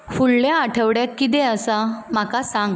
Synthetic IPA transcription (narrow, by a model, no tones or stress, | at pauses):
fulːaaʈʰəʋɽjakːit̪̬ɛ̃əsam̤akasãŋɡ